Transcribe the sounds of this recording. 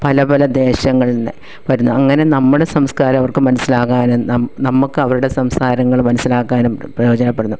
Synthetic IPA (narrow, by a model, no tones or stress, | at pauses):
pɐlɐpɐlɐd̪e̞ːɕɐŋːɐɭnːɨ | pɐɾunːuɐŋːɐne̞nɐmːuɽe̞sɐmskaːɾɐmɐʋɐrkɨmɐnɐsːilaːkaːnunɐmnɐmːukːɨɐʋɐɾuɽe̞sɐmskaːɾɐŋːɐɭmɐnɐsilaːkːaːnumprɐjo̞ːd͡ʑɐnɐpːe̞ɽunːu